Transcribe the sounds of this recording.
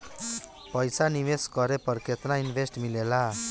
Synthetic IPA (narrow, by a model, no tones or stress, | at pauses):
pʌjsaniweskʌɾepʌrkʰet̪nainbʱesʈmilela